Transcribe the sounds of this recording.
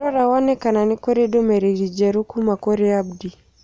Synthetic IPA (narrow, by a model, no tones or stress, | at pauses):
ɔɾawanɛkananikɔɾidɔmɛɾiɾid͡ʒɛɾukumakɔɾiabdi